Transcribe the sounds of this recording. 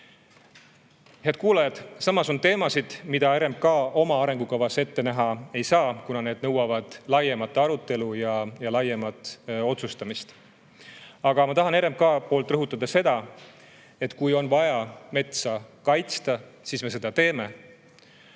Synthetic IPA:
heɑd̪̥̚kuːlɑjɑd̪sɑmɑso̞nt̪e̞ːmɑsid̪̥mid̪̥ɑeɾe̞mb̚kɑːo̞mɑɑɾe̞ŋɡ̥ukɑvɑse̞t̪ːe̞næɦɑe̞jsɑːkunɑne̞ːd̪̥nɤ̞wɑvɑd̪̥lɑjemɑt̪ːˑɑɾut̪ˑːe̞lujɑjɑlɑjemɑt̪ːˑo̞t̪sust̪ɑmist̪ | ɑɡ̥ɑmɑt̪ɑɦɑne̞ɾe̞mb̚kɑːpo̞ːlt̪ˑrɤɦut̪ːˑɑd̪̥ɑse̞d̪̥ɑ | e̞t̪ːˑkujo̞nvɑjɑme̞t̪sɑkɑjt̪st̪ɑsiːsme̞se̞d̪̥ɑt̪e̞ːme̞

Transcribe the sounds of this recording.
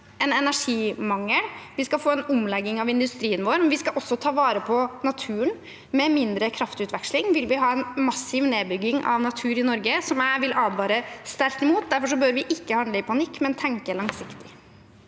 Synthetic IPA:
ɛnɛnæʂiːmɑŋːəlʋɪskɑfoːɛnʊmlɛɡːɪŋɑʋɪnd̪ʉst̪ɾiːənʋoːɾmɛnʋɪskɑʔɔsːɔt̪ʰɑːʋɑːɾəpʰɔnɑt̪ʰʉːən | mɛmɪnd̪ɾəkʰɾɑft̪ʉt̪ʋɛkʂlɪŋʋɪlʋɪɦɑːɛnmɑsːɪʋneːbʏɡːɪŋɑ̰ʋnɑt̪ʰʉːɾɪnɔɾɡəsɔmæɪʋɪlʔɑːd̪ʋɑːɾəst̪ɛlt̪ɪmuːt̪̚d̪æɾfɔʂ̬ɔbøːɾʋɪʔɪkːəhɑnd̪ləɪpʰɑnɪkːmɛnt̪ʰɛŋkəlɑŋsɪkt̪ɪ̥

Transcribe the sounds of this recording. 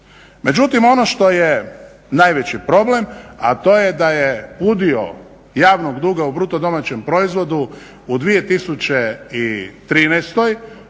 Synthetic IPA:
me̞d͡ʑut̪imo̞noʃt̪o̞je | naːjʋe̞t͡ɕipɾo̞ble̞mat̪o̞jed̪ajepud̪io̰ | jaːʋnoɡd̪uːɡaubɾut̪od̪o̞mat͡ɕe̞mpɾo̞izʋo̞d̪u | ud̪ʋije̞t̪isut͡ɕeit̪ɾiːnɛjst̪o̞j

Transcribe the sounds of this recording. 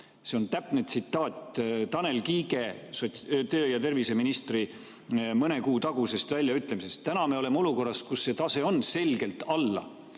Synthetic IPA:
se̞ont̪æpːˑnet̪sit̪ːˑɑːt̪ʲt̪ɑne̞lkiːɡe̞ | sot̪øːjɑt̪e̞rvise̞minist̪ri | mɤne̞kuːt̪ɑɡ̥use̞st̪vælʲjɑyt̪ˑlemise̞st̪ːænɑme̞ole̞meo̞luko̞rːɑskusːe̞t̪ɑse̞o̞nse̞lɡe̞lt̪ɑlːɑ̰

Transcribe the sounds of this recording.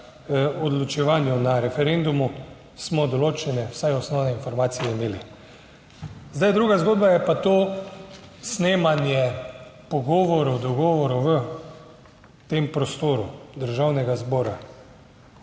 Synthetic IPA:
ɔd̪lɔt͡ʃɛʋaːnjunaɾɛfɛɾend̪umu | smɔd̪ɔloːt͡ʃɛnɛwsajɔsnɔwnɛinfɔɾmaːt̪sijɛimeːli | zd̪ajd̪ɾuːɡazɡoːd̪bajɛpat̪o | sneːmanjɛpɔɡɔːʋɔɾɔwd̪ɔɡɔːʋɔɾuʋə | t̪empɾɔst̪oːɾud̪əɾʒawnɛɡazbɔːɾa

